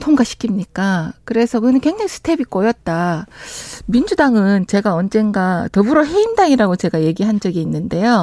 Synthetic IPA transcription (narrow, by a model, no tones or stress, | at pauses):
tʰoŋɡaɕʰi̥kʰimɲik͈akɯɾe̞sʰʌkɯnɯnkwe̞ŋd͡ʑaŋsʰɯ̥tʰe̞bik͈ojʌt̚t͈a | mind͡ʑudaŋɯnt͡ɕe̞ɡaʌnd͡ʑe̞nɡatʌbɯɾoɦe̞indaŋiɾaɡot͡ɕe̞ɡaje̞ɡiɦand͡ʑʌɡiːnːɯnde̞jo